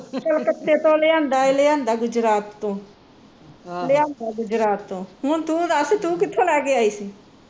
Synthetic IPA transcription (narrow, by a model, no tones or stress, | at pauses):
t͡ʃəlkət̪ːeːt̪õːlejãːnd̪aːelejãːnd̪aːɡʊd͡ʒɾaːt̪ːõː | leãːnd̪aːɡʊd͡ʒɾaːt̪ːõːɦʊnt̪ũːd̪aːset̪ũːkɪt̪ʰːoːlɛːkeaːiːsiː